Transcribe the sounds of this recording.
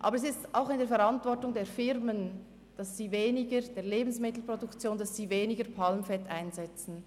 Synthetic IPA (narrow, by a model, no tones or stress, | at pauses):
ʔɑ̰ːbəɾɛsɪstʔaʊxɪndeːɾfɛɾɑntvɔɹtʊŋdeːɾfɪɾmən | d̥ɑssiːveːnɪɡəd̥eːɐleːbn̩smɪtl̩pʁ̥odʊkt͡sjoːndɑssiːveːnɪɡəɾpʰalmfɛtaɪnzɛt͡sn̩